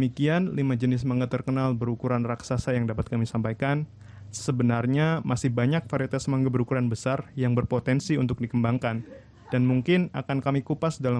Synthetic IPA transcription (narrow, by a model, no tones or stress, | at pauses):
əmikianlimad͡ʒənɪsmaŋɡat̪ərkənalbəɾukuɾanraksasajaŋdapat̪̚kamisampajkan | səbənarɲamasɪhbaɲak̚faɾiat̪asmaŋɡabəɾukuɾanbəsarjaŋbərpot̪ɛnsiunt̪ʊk̚dikəmbaŋkan | d̥anmuŋkɪna̰kankamikupasdala